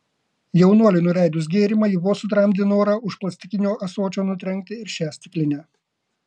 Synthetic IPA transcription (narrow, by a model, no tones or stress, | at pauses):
jɛʊnuɔlʲɪnʊɾʲæˑɪd̪ʊs̬ɡʲeːɾʲɪmɐjɪʋoɔsʊt̪ɾɐmʲd̪ʲɪnoːɾɑʊʃplˠɐsʲt̪ʲɪkʲɪnʲoːʔɐsoːt͡ʃʲoːnʊt̪ʲɾʲɛŋʲk̚t̪ʲɪɪɾʃʲæːsʲt̪ʲɪklʲɪnʲɛː